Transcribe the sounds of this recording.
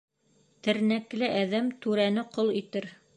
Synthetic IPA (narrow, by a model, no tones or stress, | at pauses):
t̪ɘ̆ɾnæklɘʔæðæmt̪ʉɾænɘqolˠit̪ɘɾ